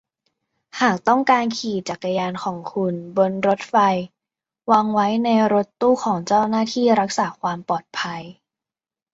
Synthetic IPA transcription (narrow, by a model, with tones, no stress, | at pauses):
haː˨˩k̚t̪ɔ˥˩ŋkaː˧nkʰiː˨˩t͡ɕa˨˩k̚ːa˧jaː˧nkʰɔː˩˦ŋkʰu˧nbo˧nɾo˦˥t̪̚fa˧j | waː˧ŋwa˦˥jna˧jɾo˦˥t̪ːuː˥˩kʰɔː˩˦ŋt͡ɕaː˥˩wnaː˥˩t̪ʰiː˥˩ɾa˦˥k̚saː˩˦kʰwaː˧mpɔː˨˩t̪̚pʰa˧j